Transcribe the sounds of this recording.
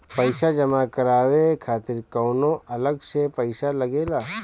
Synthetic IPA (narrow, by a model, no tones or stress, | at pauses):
pəɪsad͡ʒɐmakɐɾaːʋekʰaːt̪ɪɾkɔːnõʔɐləɡsepəɪsalɐɡeːlaː